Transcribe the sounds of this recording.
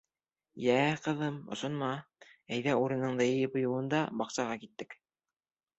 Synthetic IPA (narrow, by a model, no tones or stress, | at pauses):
jæːqɤ̆ðɤmŏ̰ʃŏnmɑæjðæuɾɤ̆nɤ̆ɴd̪ɤjɘ̆jɘpŏjŏwɤ̆nd̪ɑbɑqsɑʁɑkit̪ːɘk